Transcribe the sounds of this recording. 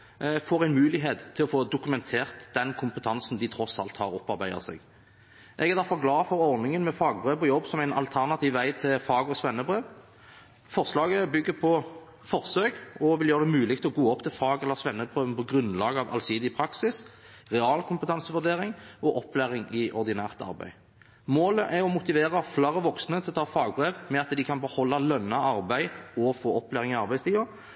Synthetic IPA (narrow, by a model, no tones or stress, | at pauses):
foːʁæɪnmʉːlɪɦeːt̪ʰːɪlɔfoːd̪ʊkʉmɛnt̪ʰeːʁt̪d̪̥ɛnkʰʊmpət̪ʰɑnsn̩d̪ɪt̪ʰɾɔsɑ̰lt̪hɑʁɔpːɑʁbæɪd̪ə̰sɛ̰ːɡ | ʔɛɡɛʁd̪æʁfɔʁɡlɑːfɔʁɔʁnɪŋənmɛfɑːɡbʁeːʋɔjɔbːsɔmæɪnɑ̰lt̪ʰæʁnɑt̪ʰiːʋʋæɪt̪ʰɪlfɑːɡɔsʋɛnːəbʁeːʋ | fɔʁslɑːɡəbʏɡːəpʰɔ | fɔʁsøːkɔʋɪljøːʁəd̪ɛmʉːlɪk̚t̪ʰɔɡoːɔpt̪ʰɪlfɑːɡɛlːəʁsʋɛnːəbʁøːʋənpʰɔɡʁʉnlɑːɡəɑʋʔɑ̰lsiːd̪ɪpʰʁɑksɪs | ʁɛɑːlkʰʊmpət̪ʰɑnsəʋʉd̪eːʁɪŋɔʔɔpːlæːʁɪŋɪʔɔʁd̪ɪnæːʁt̪ɑ̰ʁbæ̰ɪ | moːləʔæɔmʊt̪ɪʋeːʁɑflæɾəʋɔksnət̪ʰɪlɔt̪ʰɑːfɑːɡ̚bʁeːʋmɛɑt̪d̪ɪkʰɑnbəhɔlːɑlœnːɑɑʁbæɪɔfoːɔplæːʁɪŋɪɑʁbæɪst̪ʰiːʋɑ